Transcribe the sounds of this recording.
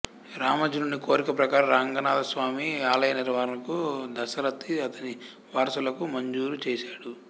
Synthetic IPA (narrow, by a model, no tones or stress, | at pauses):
ɾaːmɐd͡ʒununːikoːɾikɐpɾɐkaːɾɐɾaːŋɡɐnaːd̪ɐsʋaːmiaːlɐjɐniɾʋaːɾɐnɐkud̪ɐsɐɾɐt̪ːiɐt̪ɐni | ʋaːɾɐsulɐkumɐɲd͡ʒuːɾut͡ʃɛːʃaːɽu